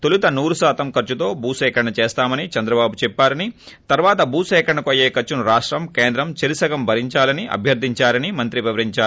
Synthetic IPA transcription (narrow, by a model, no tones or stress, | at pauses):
t̪olut̪ɐnuːɾusaːt̪ɐmkɐɾt͡ʃːut̪o̞ːbuːsɛːkɐɳːɐt͡ʃeːst̪aːmɐnit͡ʃɐnd̪ɾɐbaːbut͡ʃɛpːaːɾɐni | t̪ɐɾʋaːt̪ɐbuːsɛːkɐɳːɐkɐjeːkɐt͡ʃːunuɾaːʂʈɾɐmkeːnd̪ɾɐmt͡ʃɐɾisɐɡɐmbʱɐɾiɲt͡ʃaːlɐniʔɐ̰bʱjɐɾd̪ʱiɲt͡ʃaːɾɐnimɐnt̪ɾiʋɛʋɐɾiɲt͡ʃaː